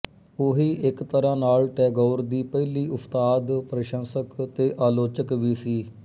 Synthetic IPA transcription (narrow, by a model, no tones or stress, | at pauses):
oɦiːʔɪkt̪əɾãːnaːlʈɛːɡɔːɾd̪iːpɛːliːʊpʰt̪aːd̪pɾəʃə̃nsəkt̪eːʔaːloːt͡ʃəkʋiːsiː